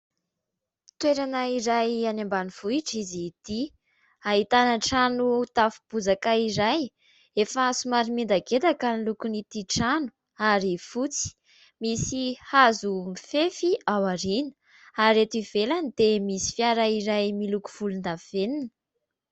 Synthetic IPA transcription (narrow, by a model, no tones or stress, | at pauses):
t̪weɾanaiɾajanambaniv̥uiʈ͡ʂizit̪i | aɦit̪anəʈ͡ʂanut̪afu̥b̥uzakaiɾaj | efasumaɾimind̪aɡet̪akanilukunit̪iʈ͡ʂanu̥ | aɾifut͡si̥ | misihazumifefiawaɾinə̥ | aɾet̪ivelanid̪emisi̥fjaɾaiɾajmiluku̥v̥ulund̪aveninə